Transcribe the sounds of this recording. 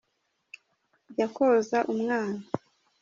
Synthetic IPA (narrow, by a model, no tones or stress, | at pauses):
jakozaʔumŋaːna